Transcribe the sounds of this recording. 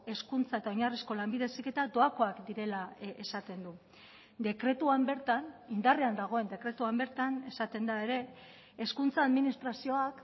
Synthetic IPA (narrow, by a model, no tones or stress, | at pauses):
e̞skunt͡sae̞t̪ao̞ɲarisko̞lambiðe̞sike̞t̪ad̪o̞ako̞akd̪iɾe̞lae̞sat̪e̞nd̪u | d̪e̞kɾe̞t̪uambe̞ɾt̪anind̪ariand̪aɣ̞o̞e̞nd̪e̞kɾe̞t̪uambe̞ɾt̪ane̞sat̪e̞nd̪ae̞ɾe̞ː | skunt͡saːðminist̪ɾasio̞ak